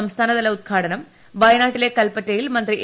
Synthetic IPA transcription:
ɐmst̪ʰaːnɐðɐlːɐud̪̚ɡʰʱaːʈɐnɐm | ʋɐjɐnaːʈːileːkɐlpɐʈːɐjilmɐnd̪ɾi

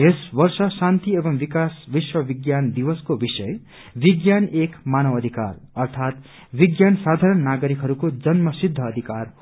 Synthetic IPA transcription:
ɦesbʌrsʌsant̪iebʌŋbikasbiswʌbiɡjand̪ibʌskobisʌje | biɡjanekmanʌwʌd̪ʱikarʌrt̪ʰat̪ | biɡjansad̪ʱaɾʌnːaɡʌɾikɦʌɾukod͡zʌnmʌsid̪ʱːʌːd̪ʱikar

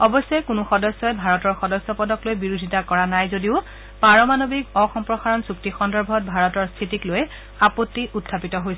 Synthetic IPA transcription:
ɔbɔsːɔjkunʊxɔdɔsːɔɛbʱaɹɔtɔɹxɔdɔsːɔpɔdɔklojbiɹudʱitakɔɹanajzodiʊ | paɹɔmanobikɔxɔmpɹɔxaɹɔnsuktixɔndɔɹbʱɔt̚bʱaɹɔtɔɹst̪ʰitikloj | apɔtːiʔutʰːapitɔɦojsɛ

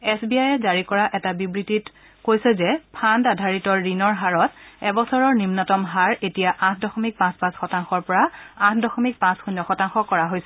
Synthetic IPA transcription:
ɛsbiajɛzaɹikɔɹaʔɛtabibɹitit | kojsɛzɛpʰandadʱaɹitɔɹinɔɹɦaɹɔtɛbɔsɔɹɔɹnimnɔtɔmɦaɹetijaʔãtʰdɔxɔmik̚pãspãsxɔtaŋxɔɹpɔɹaãtʰdɔxɔmik̚pãsxunːɔxɔtaŋxɔkɔɹaɦojsɛ

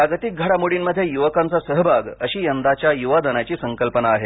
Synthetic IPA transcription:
paɡət̪ik̚ɡʱəɽamuɽinməd̪ʱːjejuʋəkant͡sasəɦəbʱaɡəɕiːjənd̪at͡ɕjajuʋad̪ənat͡ɕiːsəŋkəlpənaːɦe

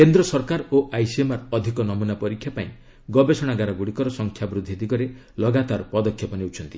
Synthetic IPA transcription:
kend̪ɾɔsɔɾkaɾoʔajsiemaɾɔd̪ʱikɔnɔmunapɔɾikʰːjapaĩ | ɡɔbesɔɽ̃aɡaɾɔɡuɽikɔɾɔsɔŋkʰjabɾud̪ʱːid̪ikɔɾe | lɔɡat̪aɾpɔd̪ɔkʰːjɔpɔneut͡ʃʰɔnt̪i

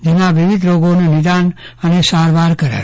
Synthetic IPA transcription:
d͡ʒimãʋiʋid̪ʱɾoɡonunid̪anənesaɾbaɾkəɾa̰

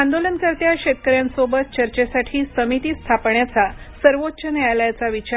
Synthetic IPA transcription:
and̪olənkəɾt̪jaɕet̪kəɾjansobət̪̚t͡ɕəɾt͡ɕesaʈʰiːsəmit̪iːst̪ʰapɳjat͡sa | səɾʋot̪ːt͡ɕənejaljat͡saʋit͡ɕa

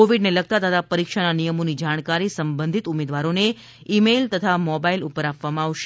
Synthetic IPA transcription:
oʋiɖneləɡ̚t̪at̪ət̪ʰapəɾikʃananijəmonid͡ʒaɽ̃kaɾisəmbənd̪ʱit̪umed̪ʋaɾone | imelt̪ət̪ʰamɔbailupəɾapʋamãːʋʃe̥

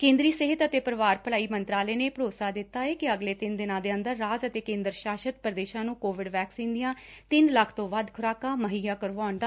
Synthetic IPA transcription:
kẽːnd̪ɾiːsɪɦɪt̪ət̪eːpəɾəʋaːɾpəlaːiːmənt̪ɾaːleːneːpəɾoːsaːd̪ɪt̪ːaːeːkɪəɡleːt̪ɪnd̪ɪnãːd̪eːənd̪əɾːaːzət̪eːkẽːnd̪əɾʃaːʃət̪̚pɾəd̪eːʃãːnũːkoːʋɪɖʋɛːksĩːnd̪ɪjãːt̪ɪnləkʰt̪õːʋəd̪kʰʊɾaːkaːməɦiːjaːkəɾʋaːʊɳd̪aː

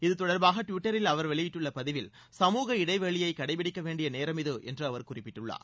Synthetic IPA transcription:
ɪðɯt̪ɔɽɐɾbaːɣɐʈʊʋɪʈːɐɾɪlɐʋɐɾʋɛɭɪjɪʈːɯɭːɐpɐðɪʋɪl | sɐmuːɣɐɪɽɐɪʋɛɭɪjɐɪkɐɽɐɪpɪɽɪkːɐʋeːɳɖɪjɐneːɾɐmɪðɯʔɛ̰ndrɯɐʋɐɾkʊrɪpːɪʈːɯɭːa̰ːɾ

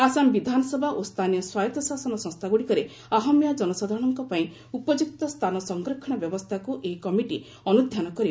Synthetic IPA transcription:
asambid̪ʱanɔsɔbʱaʔost̪ʰanijɔswajɔt̪ɔsasɔnɔsɔ̃st̪ʰaɡuɽikɔɾe | aɦɔmjad͡ʒɔnɔsad̪ʱaɾɔɽ̃ɔŋkɔpaĩ | upɔd͡ʒukt̪ɔst̪ʰanɔsɔŋɡɾɔkʰɔɽ̃ɔbjɔbɔst̪ʰakuʔeikɔmiʈi | ɔnud̪ʱjanɔkɔɾi

